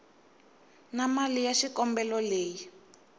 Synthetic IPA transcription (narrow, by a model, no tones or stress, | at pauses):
namalijaʃikɔmbɛlɔleːji